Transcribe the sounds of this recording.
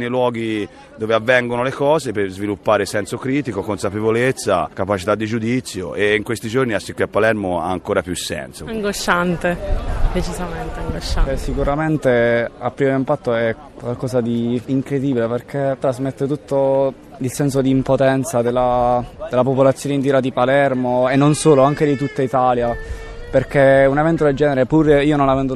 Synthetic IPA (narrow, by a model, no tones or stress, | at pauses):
nejlwɔːɡi | d̪oːveavːɛŋɡonolekɔːzepezvilupːaːɾesɛnsokɾiːt̪ikokonsapevolet̪sːa̰kapat͡ʃit̪ad̪ːid͡ʒud̪it̪sːjo̰ʔeiŋkwest̪id͡ʒorniasːikwiapːalɛrmoa̰aŋkoːɾapjusːɛ̰nsoaŋɡoʃːant̪ed̪et͡ʃizament̪eaŋɡoʃasikuɾament̪eapːɾiveimpat̪ːoɛ | kːwalkɔːsad̪iːŋkɾed̪iːbileperk̟et̪ːɾazmet̪ːet̪ut̪ːo | ilsɛns̬od̪iːmpot̪ɛnt̪sad̪elːad̪elapopolat̪sːjoːneint̪iɾad̪ipalɛrmoenːonsoːloaŋk̟ed̪it̪ut̪ːait̪aːlja | perk̟eunevɛnt̪od̪eld͡ʒɛːneɾepuɾiːonõnlavɛnd̪o